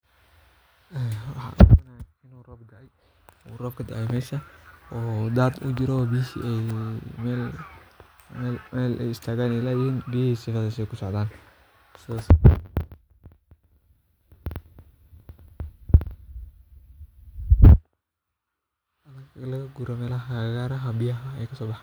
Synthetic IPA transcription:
ʔɛːwɑħɑ̰ːʔnɐɪnurɔːb̚d̪ɐʕɛj | urɔːb̚kʰɐd̪ɐʕɛjmɛːʃɐɔːd̪aːd̪ʊ̰d͡ʒɪɾɔbijhḭʔɛjmɛl | mɛlmɛːlɛ̰jɪst̪ʰaːɣaːnɪlaːjɪnbijhiːsɪfɐdɐsɛjkʰʊsɔʕd̪aːn | sas | ʔɐnɐɡlɐɣɐɡuɾɐmɛːlɐɦɐɣaːɾɐɦɐbɪjɐɦɐɛjkʰɐsɔːbɑħːn

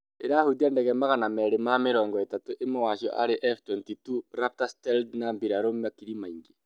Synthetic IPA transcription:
eɾahudiandɛɣɛmaɣanamɛɾemameɾɔːŋɡɔetatoʔemawaʃiɔ̰ʔa̰ɾeʔɛftwɛntituɾap̚tastɛldnambiɾaɾomakiɾimaiŋɡe

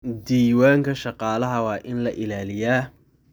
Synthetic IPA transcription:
d̪iːwaːŋkʰɐʃɑqɑːlɐɦɐwɑːʔɪnlɐʔɪlaːlɪjaː

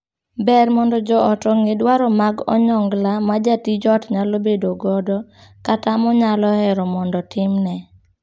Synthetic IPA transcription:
bɛrmɔndɔd͡ʒɔʔɔtɔŋedwaɾɔmaɡɔ̰ɲɔŋɡlamad͡ʒatid͡ʒɔtɲalobedoɡɔdɔkatamɔɲalɔɛɾɔmɔndɔtʰɪmnɛ

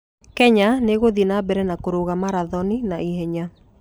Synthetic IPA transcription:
kɛɲaneɣoðinabɛɾɛnakoɾoɣamaɾaðɔninaiɦɛɲa

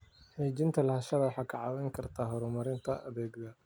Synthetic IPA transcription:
ħɛːt͡ʃɪnt̪ʰɐlɐhɐʃɐβɐwħɑkʰɑʕɑwɛjŋkʰɐrt̪ʰaːɦɔɾʊmɐɾɪnt̪ʰɐʔɐβɛːɡd̪ɐ

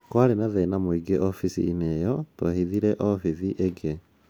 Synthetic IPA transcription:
kwaɾenaðenamoiɡeʔɔfisḭːnejɔtwohiðiɾɛʔɔfiðiʔeɡe

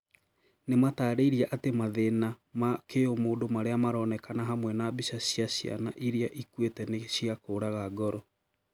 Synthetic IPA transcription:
nemataːɾeiɾiaʔatemaðenamakejomoːndomaɾeamaɾɔnɛkanaɦamwɛnabisasiasja̰naʔiɾiaʔikwetɛneɕijakoːɾaɣaɡɔɾɔ

